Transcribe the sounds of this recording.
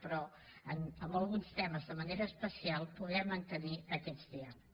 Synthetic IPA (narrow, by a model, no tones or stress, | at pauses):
pɾɔ | ənəmbəlˠɣunst̪ɛməzðəməneɾəːspəsialˠpuðɛmːənt̪əniəkɛzt̪eal